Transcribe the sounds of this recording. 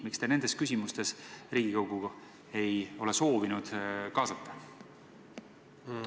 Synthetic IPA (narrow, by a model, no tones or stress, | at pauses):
mikst̪ene̞nd̪̥e̞skys̬ʲimust̪e̞sriːɡ̥ikɑwɡuɡ̥ɑ | e̞jo̞le̞so̞ːvinud̪̥kɑːsɑt̪ːɑ̥